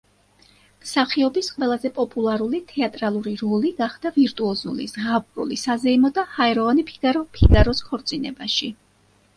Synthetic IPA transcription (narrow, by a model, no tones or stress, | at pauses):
msaχiɔbisqʼwɛlˠazɛpʼɔpʼulˠaɾulit̪ʰɛat̪ʼɾalˠuɾiɾɔliɡaχd̪̥aviɾt̪ʼuɔzṵlḭzʁabɾṵlḭsazɛimɔd̪ahaɛɾɔvanipʰiɡ̥aɾɔpʰiɡaɾɔskʰɔɾt̪sʼinɛbaʃi